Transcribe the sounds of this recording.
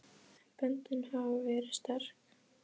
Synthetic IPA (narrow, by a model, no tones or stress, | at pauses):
pœnt̪ʏnhavvɛːɾɪ̥st̪ar̥k